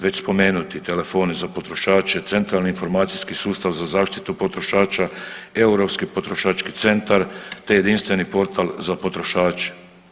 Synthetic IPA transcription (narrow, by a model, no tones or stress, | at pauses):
ʋe̞t͡ɕspo̞meːnut̪it̪e̞le̞fo̞ːnezapo̞t̪ɾo̞ʃaːt͡ʃet̪se̞nt̪ɾalniːnfo̞ɾmaːt̪siskisuːst̪aʋzazaːʃt̪i̥t̪upo̞t̪ɾoʃaːt͡ʃaeuɾopskipo̞t̪ɾo̞ʃaːt͡ʃkit̪se̞nt̪aɾt̪eje̞d̪inst̪ʋe̞nipo̞ɾt̪ʰalzapo̞t̪ɾo̞ʃaːt͡ʃe̥